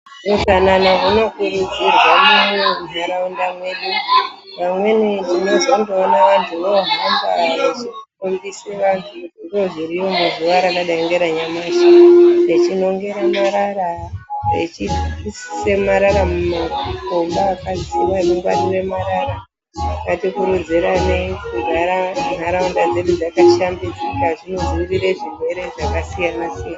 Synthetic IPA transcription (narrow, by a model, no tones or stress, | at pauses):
mutananaɦunokuɾud͡zirwamuoɦaɾaundamweɗi | ʋamwe̞ned͡ʒino̞zondoːnaʋantʰuʋoɦambaʋat͡ʃikumbiseʋantʰuiŋɡoʐiɾijomuzuʋaɾaɗaɗaeŋɡe̞ɾaɲamaʃaret͡ʃino̞ŋɡe̞ɾamaɾaɾaet͡ʃiissemaɾaɾamumakombaakad͡zisiʋaemeŋɡwa̰nire̞maɾaɾa | akatikuɾud͡ziɾanekuɡʱaɾanaɾaundad͡ze̞ɗud͡zakaʃambid͡zikaʐino̞ziiɾiɾeʐirwe̞ɾe̞ʐakasijanasiana